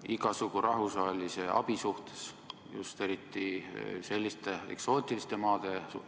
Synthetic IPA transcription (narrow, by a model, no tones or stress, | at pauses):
iɡɑsukuɾʔɑɦusvɑːlʲise̞ʔɑ̰b̥isuht̪e̞̥s | jṵst̪e̞ɾit̪ːise̞lʲːist̪e̞ḛkso̞ːt̪ʲˑilist̪e̞mɑːd̪̥e̞su